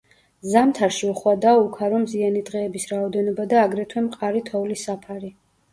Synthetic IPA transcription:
zamt̪ʰaɾʃiuχwad̪aukʰaɾɔmzianid̪ʁɛːbisɾaɔd̪ɛnɔbad̪aːɡɾɛt̪ʰwɛmqʼaɾit̪ʰɔvlisapʰaɾi

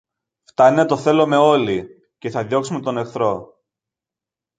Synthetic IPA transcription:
ft̪ɐnet̪o̞θe̞lo̞me̞o̞li | ce̞θɐðjo̞ksume̞t̪o̞ne̞kθɾo̞

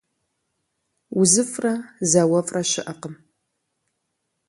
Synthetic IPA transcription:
uzɨfrazɐwɐfʼrɐʃɪʔɐqəm

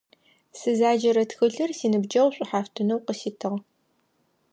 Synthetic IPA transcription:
sɨzaːd͡ʒɐɾɐtxɨɮɨrsiːnɨbd͡ʒɐwɕʷʼʊħaːftʰɨnɐwqəsiːtʰɨʁ

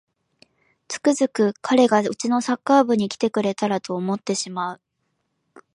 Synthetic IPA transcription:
t͡sɨ̥kɯ̟zɨkɯ̟kʰaɾe̞ɡaɯ̟t͡ɕino̞sakːaːbɯ̟ɲ̟ikʲi̥t̪e̞kɯ̟ɾe̞t̪aɾat̪o̞ːmo̞t̪ːe̞ɕimaɯ̟

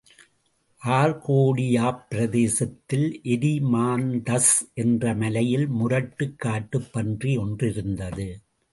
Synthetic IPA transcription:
ʔaːɾkoːɽɪjaːpɪɾɐðeːsɐt̪ːɪlʔɛɾimaːnd̪ɐsʔɛndrɐmɐlɐjɪlmʊɾɐʈːɯkːaːʈːɯpːɐndriɔndrɪɾɯnd̪ɐðɯ

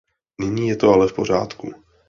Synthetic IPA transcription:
nɪɲiːjɛt̪o̞alɛfpo̞r̝a̰ːt̪kṵ

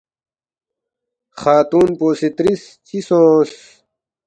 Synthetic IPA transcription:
xaːt̪uːnpoːsit̪ɾis | t͡ɕisõːs

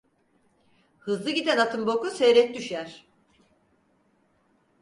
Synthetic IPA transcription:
hɯzlˠɯɟid̪ænat̪ʰɯmbokusejɾɛt̪̚ʲd̪yʃjæɾ̥

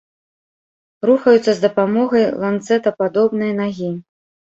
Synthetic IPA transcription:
ɾuxɐjut̪sːɐzd̪ɐpamɔɣɐjlˠant̪sɛt̪ɐpad̪ɔbnɨjɐnaɣʲi

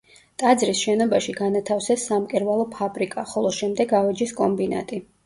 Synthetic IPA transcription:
t̪ʼad̪zɾisʃɛnɔbaʃiɡanat̪ʰafsɛsːamkʼɛɾvalˠɔpʰabɾikʼaχɔlˠɔʃɛmd̪ɛɡavɛd͡ʒiskʼɔmbina̰t̪ʼi

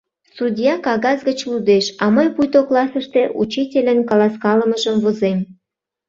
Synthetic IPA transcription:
sudʲjɑkɑɣɑzɣət͡ɕlud̪eʃɑmɤjpujt̪oklɑsəʃt̪eʔṵt͡ɕitʲelʲə̆nkɑlɑskɑləməʒəmvozem

